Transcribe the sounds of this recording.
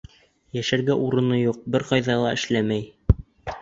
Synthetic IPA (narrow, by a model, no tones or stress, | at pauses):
jæʃæɾɡæʔuɾɤ̆nɤjuq̚bɘɾqɑjðɑlˠɑɘ̆ʃlæmæj